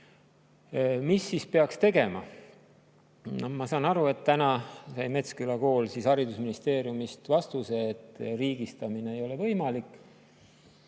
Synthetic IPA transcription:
misːispeɑkst̪e̞ɡe̞mɑ | mɑsɑːnɑɾue̞t̪ːænɑsɑjme̞t̪skylɑko̞ːlsishɑɾid̪usminist̪e̞ːɾjumist̪vɑst̪use̞ːt̪ːˑriːɡ̥ist̪ɑmine̞ejo̞le̞vɤ̞jmɑlikːˑ

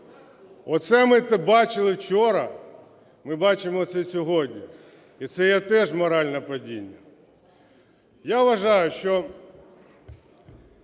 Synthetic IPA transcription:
ɔt̪sɛmɪt̪ɛbɑt͡ʃɪlˠɪwt͡ʃɔɾɐ | mɪbɑt͡ʃɪmɔt̪sɛsʲɔɦɔdʲnʲi | it̪sɛjɛt̪ɛʒmɔɾɑlʲnɐpɐdʲinʲːɐ | jaʋʋɐʒɑjʊʃt͡ʃɔ

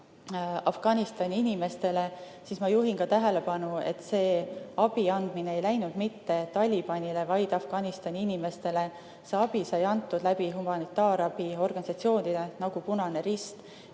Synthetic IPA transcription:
ɑfɡ̥ɑnist̪ɑnʲiinime̞st̪e̞le̞ | sismɑjuɦinkɑt̪æɦe̞le̞pɑnue̞̰t̪ːse̞ːɑb̥iɑnd̪̥mineejlæjnud̪̥mit̪ːe̞t̪ɑlʲib̥ɑnʲile̞vɑjd̪̥ɑfɡ̥ɑnist̪ɑnʲiinime̞st̪e̞le̞ | se̞ɑbisɑjɑnt̪ːud̪læbiɦumɑnit̪ːˑɑːɾɑbio̞rɡ̥ɑnisɑt̪sio̞ːnid̪̥enɑɡ̥upunɑne̞ɾist̪

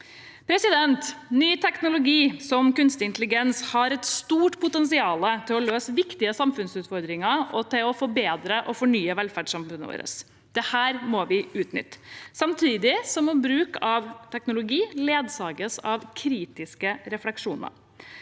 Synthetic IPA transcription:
pʰɾɛsɪd̪ɛnt̪nyːt̪ʰɛknʊlʊɡiːsɔmkʉnst̪ɪɪnt̪lɪɡɛnshɑɾɛt̪st̪uːʈpʰʊt̪ɛnsɪɑːlət̪ʰɪlɔløːsʋɪkt̪ɪəsɑmfʉnsʉːt̪fɔɾd̪ɾɪŋɑɔt̪ɪlɔfɔbeːd̪ɾəʔɔfɔɳyːəʋɛlfæɖʂɑmfʉnəʋo̰ːɾə̰s | d̪̥ɛhæːɾmɔʋɪʉːt̪nʏ̰t̪ːə̥sɑmt̪ʰiːd̪ɪsɔmɔbɾʉːkɑʋt̪ʰɛknʊlʊɡiːleːd̪sɑːɡəsɑʋkʰɾiːt̪ɪskəɾɛflɛkʂuːnə̰ɾ

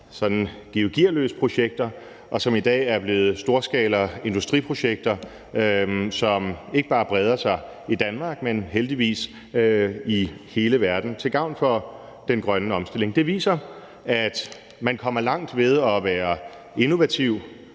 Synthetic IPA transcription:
sɒ̽d̥n̩ɡ̥ioɡ̥iɐ̰lø̰ːsə̥pʰʁo̝ɕeɡ̥̚d̥ɐ | ʔɒ̽sɒ̽mid̥ɛ̰ːæɐb̥le̝ːð̞̩ˠsd̥o̝ːɐsɡ̥ɛ̰ːlɐe̝nd̥usd̥ʁipʰʁo̝ɕeɡ̥̚d̥ɐ | sɒ̽me̝ɡ̥əb̥ɑ̈ːb̥ʁɛːð̞ˠɐsɑ̈ɪ | id̥ænmɑ̈ːɡ̥menɦeld̥iʋḭːs | ihe̝ːləʋæɐd̥n̩t͡sʰe̝lɡ̥ɑ̈ʊ̰nfɒ̽ | d̥enɡ̥ʁɶnəɒ̽msd̥e̝le̝ŋd̥e̝ʋḭːsɐ | æd̥ | mænkʰɒ̽m̰ɐlɑ̈ŋ̰d̥ʋeð̞ˠɒ̽ʋæːɐ | e̝no̝ʋæt͡sʰiʊ̰

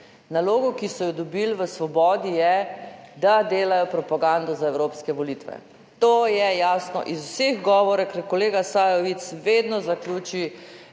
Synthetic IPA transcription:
naloːɡɔkisɔjɔd̪ɔbilʋəsʋɔbɔːd̪ijɛd̪ad̪eːlajɔpɾɔpaɡand̪ɔzaɛwɾoːpskɛʋɔlit̪ʋɛ̰ | t̪oːjɛjaːsnɔ̰ʔizuseɣɡɔːʋɔɾakɾkɔleːɡasajɔʋit̪sʋeːd̪nɔzakluːt͡ʃi

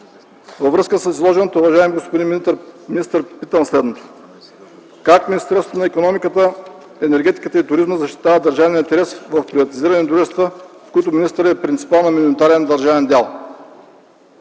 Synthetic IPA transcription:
vəvɾəskəsəsizlˠɔʒɛnət̪əʊvɐʒaɛmiɡospod̪inɾminist̪əɾpit̪əmslɛd̪not̪o̥ | kakminist̪ɛɾsoonɐikonɔmikət̪ə | ɛnɛɾɡʲɛt̪i̥kət̪əit̪ʊɾizməzɐʃt̪i̥t̪avəd̪ɐɾʒavɛnint̪ɛɾɛsvɐfpɾivɐt̪iziɾənɛd̪ɾuʒɛst̪və | fkɔjt̪ʊminist̪ɾɛpɾint̪i̥palˠnɐminnit̪aɾɛnd̪ɐɾʒavɛnd̪alˠ

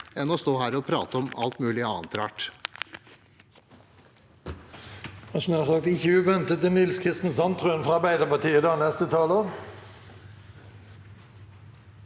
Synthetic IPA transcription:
ɛnːɔst̪oːɦæːɾɔpʰɾɑ̰ːt̪əɔmɑ̰lt̪mʉːlɪɑ̰ːnt̪ʋæʈ | ɑsmɑʁsɑk̚t̪ɪçʉʉːʋɛnt̪ət̪ːɪnɪlskʰɪst̪n̩sɑnt̪ʰʁʉnfʁɑɑɾbæɪd̪əʁpɑʈiːəd̪ɑːnɛst̪ət̪ʰɑloːʁ

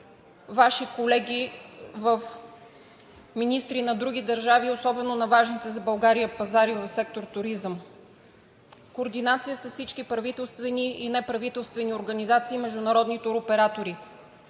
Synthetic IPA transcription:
vaʃikolɛɡʲivəf | minist̪ɾinɐd̪ɾuɡ̟id̪ɐɾʒaviosɔbɛnonɐvaʒnit̪ɛzɐbɐlˠɡaɾijəpɐzaɾivəfsɛk̚t̪oɾt̪ʊɾizəm | koːɾd̪inat̪sijəsəfsit͡ʃkipɾɐvit̪ɛlˠst̪vɛniinɛpɾɐvit̪ɛlˠst̪vɛnioɾɡɐnizat̪siːmɛʒd̪ʊnɐɾɔd̪nit̪ʊɾopɛɾat̪oɾi

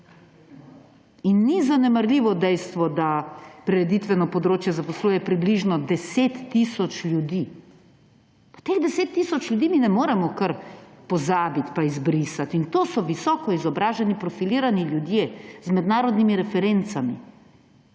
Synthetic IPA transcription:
inːizanɛmaɾlʲiːʋɔd̪ɛjst̪ʋɔd̪apɾɛɾɛd̪it̪ʋɛnɔpɔd̪ɾoːt͡ʃjɛzapɔsluːjɛpɾibliʒnɔd̪ɛseːt̪ːisɔt͡ʃlʲjud̪i | pḁt̪eɣd̪ɛseːt̪ːiːsɔt͡ʃlʲjud̪iːminɛmoːɾɛmɔkɐɾpɔzaːbit̪paizbɾisat̪int̪oːsɔʋisɔkɔizɔbɾaːʒɛnipɾɔfiliːɾaniljud̪jezmɛd̪naːɾɔd̪nimiɾɛfɛɾent̪samḭ

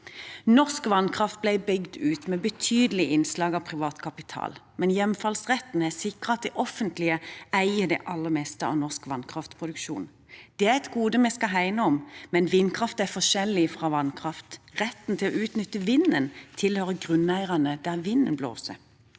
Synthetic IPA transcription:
nɔʁskʋɑnkʰʁɑft̪̚blæɪbʏɡd̪ʉːt̪mɛːbət̪ʰyːd̪əlɪʔɪnslɑːɡɑʋpʰʁɪʋɑːt̪kʰɑpɪt̪ʰɑ̰ːlmɛnjɛmfɑlsʁɛt̪ːn̩æsɪkʁəɑt̪̚d̪ɛʔɔfənt̪lɪəæɪəd̪ɛ̰ʔɑlːəʁmɛst̪əɑ̰ʋnɔskʋɑnkʰʁɑft̪pʰʁʊd̪ʉkʃṵːn | d̪̥ɛæʁɛt̪ɡuːd̪əmɛskɑɦæɪnəɔmmɛnʋɪnːkʰʁɑft̪æfɔʃɛlːɪfʁɑːʋɑnkʰʁɑft̪ʁɛt̪n̩t̪ʰɪlɔ̰ʔʉːt̪nʏt̪ːəʋɪnːənt̪ʰɪlhøːʁəɡʁʉnæɪʁɑnəd̪æʁʋɪnːə̰nblo̰ːsə̰

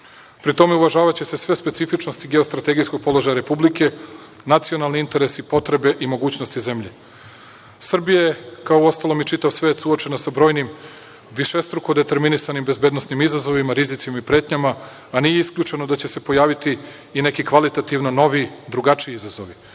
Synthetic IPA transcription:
pɾit̪o̞me̞uʋaʒaːʋat͡ɕe̞sesʋe̞spesifit͡ʃnost̪iɡe̞ost̪ɾat̪e̞ɡijskoɡ̚po̞lˠo̞ʒajaɾe̞publike̞ | nat̪sio̞nalˠniint̪e̞ɾesipo̞t̪ɾe̞be̞ʔimo̞ɡuːt͡ɕnost̪ize̞mʎe̞ | sr̩bijajekaoo̞st̪alo̞mit͡ʃit̪aʋsʋet̪suot͡ʃe̞nasabɾo̞ːjnim | ʋiʃest̪ɾukod̪et̪e̞ɾminisanimbezbeːd̪nosnimizazo̞ʋimaɾizit̪simaipɾe̞ːt̪ɲamaː | nijeiskʎʲuːt͡ʃe̞nod̪at͡ɕe̞se̞po̞jaːʋit̪iː | ne̞kikʋalit̪at̪iʋnono̞ʋid̪ɾuɡat͡ʂiiizazo̞ʋi

